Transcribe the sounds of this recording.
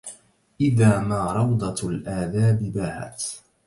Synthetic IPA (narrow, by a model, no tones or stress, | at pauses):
ʔɪðaːmaːɾˤɑwd̪ˤɑlʔaːðaːbɪbaːha̰t̪